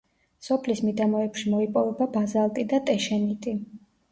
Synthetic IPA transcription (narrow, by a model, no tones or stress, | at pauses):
sɔpʰlismid̪amɔɛpʃimɔipʼɔvɛbabazalˠt̪ʼid̪at̪ʼɛʃɛnit̪ʼi